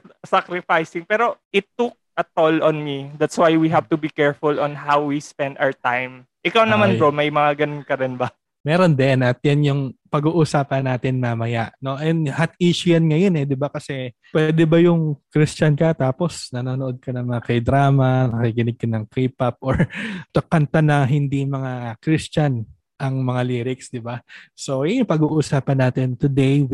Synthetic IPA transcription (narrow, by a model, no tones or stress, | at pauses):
sakɾɪfajsɪŋpɛːɾo̞ʔɪt̪ːuk̚ɐt̪olɔ̃nmid̪at̪swajwiɦavt̪ubikɛɹfʊlɔnɦawwispɛ̃nd̪aɹt̪ajm | ʔɪkawnɐmanɾomɐjmɐŋaɡɐnʊnkɐɾɪnbɐ | mɛːɾo̞nd̪ɛnʔɐt̪̚janjʊŋpɐɡuːʔusaːpɐnːaːt̪ɪnmamɐjaʔno̞ʔɐɛnhat̪iːʃʊjɐnŋɐjonɛd̪ɪbakɐsɛ | pwɛːd̪ɛbɐjʊŋkɾist͡ʃɐnkɐt̪aːpo̞snɐnoːnoʔod̪̚kɐnɐŋmɐŋakɐjd̪ɾaːmɐnɐkikɪnɪɡ̚kɐnɐŋkɾiːp̚ɐp̚ʔoɹt̪ɐkːɐnt̪anɐŋɦɪnd̪imɐŋakɾist͡ʃɐn | ʔɐŋmɐŋaliːɾɪksd̪ɪbaso̞jʊŋpɐɡuːʔusaːpɐnːaːt̪ɪnt̪ʊd̪ɛj